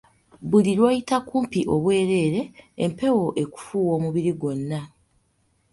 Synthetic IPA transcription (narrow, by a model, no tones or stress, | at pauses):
bulilwaːjitakuːmpiʔo̞βwe̞ːɾe̞ːɾe̞ːmpe̞wo̞ʔe̞ku̥fuːwo̞ːmuβiɾiɡo̞nːa